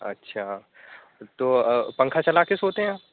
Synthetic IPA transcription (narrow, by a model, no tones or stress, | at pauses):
ɐ̰tːʃʰaː | t̪oːpɐ̃ŋkʰat͡ʃɐlaːkesoːt̪eɦɛ̃ãːp